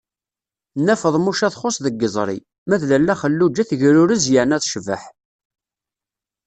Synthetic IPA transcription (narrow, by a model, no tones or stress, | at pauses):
nːæfəðˤmuʃæθχosˤðəɡːəzˤɾˤḭ | mæðlælːæχəlːud͡ʒːæθʝɾʊɾəzjəʕnæθʃvə̰ħ